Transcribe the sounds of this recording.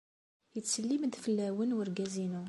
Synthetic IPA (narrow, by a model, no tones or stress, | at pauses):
jət͡sːəlːiməd̪fəlːæwənwəɾɡæzinu